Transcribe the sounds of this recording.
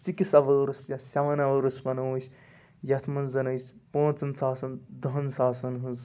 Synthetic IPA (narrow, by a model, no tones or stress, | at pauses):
sikisɐʋɐɾɨsjɐsɐʋɐnɐʋɐɾɨspɐnowsʲ | jɐt̪ʰmɐnzɐnɐjsʲpõːt͡sɐnsaːsɐnd̪ɐɦnsaːsɐnɦunz